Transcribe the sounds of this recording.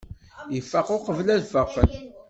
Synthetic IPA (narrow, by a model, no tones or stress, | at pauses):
jəfːɑqʊqəvlæðfəʁfən